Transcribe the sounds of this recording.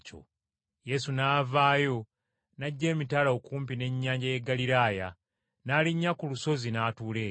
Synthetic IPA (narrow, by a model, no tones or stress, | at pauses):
t͡ʃo̰ | je̞sunaːvaːjo̞ | naɟːe̞ːmitalaokuːmp̬ine̞ɲːaːɲɟajeɡaliɾaːja | naːliɲːakuluso̞zinaːtuːle̞ː